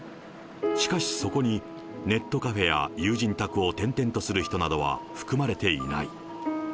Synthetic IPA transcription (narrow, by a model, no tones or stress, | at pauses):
ɕi̥kaɕi̥so̞ko̞ɲ̟i | ne̞t̪ːo̞kaɸe̞ja̰jɯːʑĩnt̪akɯ̟o̞t̪ẽ̞nt̪ẽ̞nt̪o̞sɨɾɯ̟çi̥t̪o̞nad̪o̞βa̰ɸɯ̟̥kɯ̟maɾe̞t̪e̞ḭna̰i